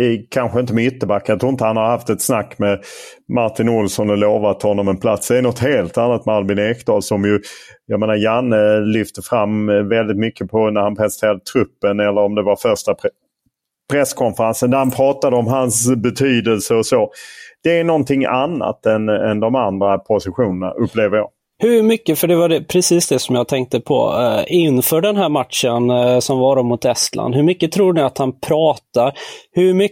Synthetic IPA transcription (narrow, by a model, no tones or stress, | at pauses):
kʰanɧəɪnt̪əmɛʏt̪ːəbakːajɑt̪ʰɾuːɪnt̪əhanhahaft̪ɛt̪snakːmɛ | maʈɪnʊlsɔnɛloːvat̪ːhɔnːɔmɛnpʰlat̪sd̪ɛːnɔt̪heːlt̪anːat̪mɛalbɪneːkd̪ɑːlsɔmjɵjɑmeːnajanːəlʏft̪əfɾamːvɛld̪ɪt̪mʏkːəpʰɔnæɾhanpʰɾɛsənt̪ʰeːɾad̪ət̪ʰɾɵpːənɛlːəɾɔmd̪ɛvaɾfœʂʈap | pʰɾɛskʰɔnfəɾansənd̪æɾhanpʰɾɑːt̪ad̪əɔmɦansbɛt̪ʰyːd̪əlsəɔsoːd̪̥ɛːnɔnt̪ʰɪŋanːa̰t̪ɛnɛ̰nd̪ɔmand̪ɾapʰʊsɪɧuːnəɳa̰ʔɵpːleːvəɾjɑ̰ːɡ | hɵɾmʏkːəfœɖɛvaɖɛpʰɾɛsiːsd̪ɛsɔmjɑːɡ̚t̪ʰɛŋk̚t̪əpʰɔ̰ɪnːfœːɖɛnɦæːɾmat̪ʂənsɔmvɑɾɔmːʊt̪ɛst̪la̰nd̪hɵɾmʏkːət̪ʰɾuːɳɪat̪hanpʰɾɑːt̪aɾhɵɾmʏ